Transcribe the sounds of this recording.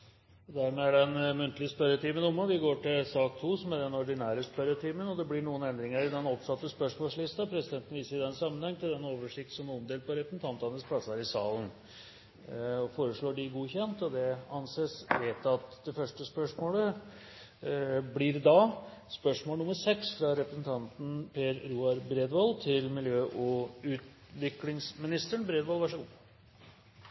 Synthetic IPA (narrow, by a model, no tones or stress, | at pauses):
d̪æɾmɛæɖɛnmʉnt̪lɪəspœɾət̪ʰiːmənʊmːəʋɪɡoːʈɪlsɑːk̚t̪ʰuːsɔmæd̪ɛnɔɾɖɪnæːɾəspœɾət̪ʰiːmənɔd̪ɛblɪɳuːənɛnd̪ɾɪŋəɾd̪ɛnɔpsɑt̪ːəspœʂmoːlslɪst̪ɑpʰɾɛsɪd̪ɛnt̪ən̩ʋiːsəɾɪd̪ɛnsɑmːənhɛŋːt̪ɪld̪ɛnoːʋəʂɪk̚t̪sɔmɔmd̪eːlpɔɾɛpən̩t̪ʰɑnt̪ɑnəspʰlɑsɑɾɪsɑːlən | ɔfoːɾəʂɭoːɖɪɡuːçɛnt̪ɔd̪ɛɑnseːsʋeːt̪ɑt̪d̪ɛfœʂʈəspœʂmoːlə | blɪɾd̪ɑspœʂmoːlnʊməɾsɛksfɾɑɾɛpɾəsn̩t̪ʰɑnt̪n̩pʰeːɾɾuːɑɾbɾeːd̪ʋɔːlt̪ʰɪlmɪljøːʔɔʉːt̪ | ʋɪklɪŋsmɪnɪst̪əɳbɾeːd̪ʋɔːlʋæʂəɡṵː